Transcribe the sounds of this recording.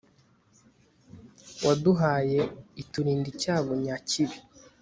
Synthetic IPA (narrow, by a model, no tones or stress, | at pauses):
wʔaduɦaːjeituɾiːndicaːβoɲaciβi